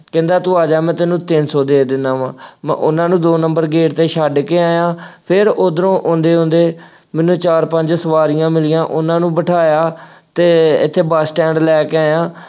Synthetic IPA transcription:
kɛ̃ːnd̪aːt̪ũːaːd͡ʒaːmɛ̃ːt̪enũːt̪ɪnsɔːd̪eːɾd̪ɪnːaːʋãːmɛ̰̃ʔʊnãːnũːd̪oːnəmbəɾɡeːʈt̪eːʃaɖkeːaːjãːpʰɪɾod̪ɾõːʔʊ̃nd̪eːɦʊ̃nd̪eː | mɛ̃ːnũːt͡ʃaːɾpəɲd͡ʒsəʋaːɾɪjãːmɪlɪjãːʔʊnãːnũːbəʈʰaːjaːt̪eːɪ̰t̪ʰːeːbaːsʈɛ̃ːɳɖlɛːkeaːjãː

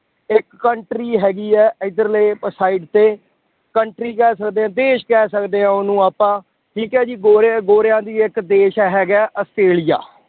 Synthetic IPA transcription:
ɪkːəɳʈɾiːɦɛːɡiːɛːʔɪd̪əɾleːpəsaːɪɖt̪eː | kəɳʈɾiːkɛːsəkd̪eːãːd̪eːʃkɛːsəkd̪eːãːʊnũːaːpãː | ʈʰiːkɛːd͡ʒiːɡoːɾɡoːɾɪjãːd̪iːɪkd̪eːʃɛːɦɛːɡɛːʔəsʈɾeːlija̰ː

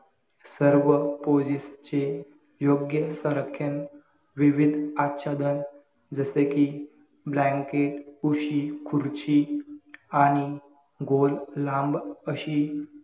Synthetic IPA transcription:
səɾʋəpod͡ʑist͡ɕe | joɡjəsəɾəkʰːjən | ʋiʋid̪ʱatːɕad̪ən | d͡zəseki | blãŋkeʈuɕikʰuɾt͡ɕi | aɽ̃i | ɡʱolːãmbəɕiː

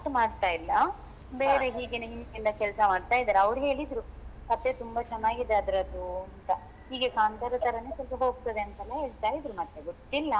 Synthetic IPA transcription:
ʈmaːɖt̪aːjilːɐ | be̞ːɾe̞ɦiːɡeneɦinkind̪ɐkɛlsɐmaːɖt̪aːjid̪aːɾeɐʋɾuɦe̞ːɭid̪ɾukɐt̪ːe̞t̪umbɐt͡ʃɛnːaːɡid̪ːaːd̪ɾɐd̪uɐnt̪ɐ | hiːɡe̞kaːnt̪ɐɾɐt̪ɐɾɐneːsɐlpɐɦo̞ːɡ̚t̪ɐd̪eɐnt̪ɛlːɐɦeːɭt̪aːɾid̪ɾumɐt̪ːeɡot̪ːilːɐ

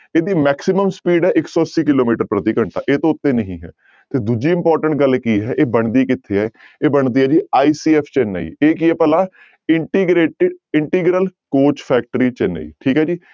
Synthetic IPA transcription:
eːd̪iːmɛːksɪməmspiːɖɦɛːʔɪksɔːsiːkɪloːmiːʈəɾpɾət̪iːkəɳt̪a̰ːʔeːt̪õːʊt̪ːẽːnəɦĩːɦɛ̰ː | t̪eːd̪ud͡ʒiːɪmpɔːɾʈəɳʈ̚ɡəlkiːɦɛːʔeːbəɳd̪iːkɪt̪ʰːeːɛː | eːbəɳd̪iːɛːd͡ʒiːaːiːsiːɛːpʰt͡ʃɛːnːa̰ːḭːeːk̬iɛːpəlaː | ɪɳʈiːɡɾeːʈɪɖɪɳʈiːɡɾəlkoːt͡ʃpʰɛːk̚ʈəɾiːt͡ʃɛːnːa̰ḭːʈʰiːkɦɛːd͡ʒiː

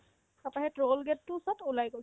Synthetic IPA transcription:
apaɦɛtɹolɡɛttːʊsɔtulajɡojsɛ

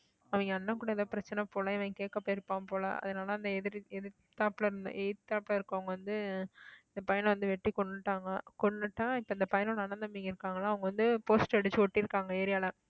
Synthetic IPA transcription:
ɐʋɐŋɡɐɐnːɐŋkuːɽɐɛðɐːpɪɾɐt͡ʃːɐnɐpoːlɐɛʋɐŋɡɐkeːʈkːɐpːoːɪɾɯpːaːmpoːlɐ̰ɐ̰ðɐnaːlɐɪnd̪ɐɛðɪɾɛðɪɾ | t̪ːaːplɐɾn̰ʔɛt̪ːaːplɐɾɪɾɯkːɯ̃ɐʋɐŋɡɐʋɐnd̪ɯɪnd̪ɐpɐjɐnʋɐnd̪ɯʋɛʈːikɔɳːɯʈːaːŋɡɐkɔɳːɯʈːãːɪpːɐɪnd̪ɐpɐjɐnõːnɐːnɐnd̪ɐmiːŋɡɐɪɾɯkːaːŋɡɐlãːɐʋɐŋɡɐʋɐnd̪ɯpoːsʈɛɽɯt͡ʃːɯɔʈːiɾɯkːaːŋɡɐeːɾɪjaːlɐ

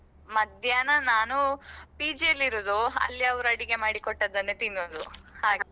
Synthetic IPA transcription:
mɐd̪ʱjaːnɐnaːnupiːd͡ʒijɐlːiɾoːd̪uɐ̰lːiɐʋɐɾuɐɽiɡe̞maːɽikoʈːɐd̪ɐnːet̪inːoːd̪uhaːɡe

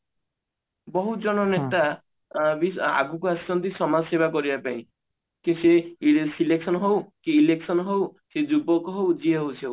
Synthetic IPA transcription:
bɔɦud͡ʒɔñɔnet̪a | bisa̰ɡukuast͡ʃɔnt̪isɔmad͡ʒɔseβakɔɾibapaĩ | kĩseiesileksɔnɔɦowkiːleksɔnɔɦowsed͡ʒubɔkɔɦowd͡ʒieɦowsiow

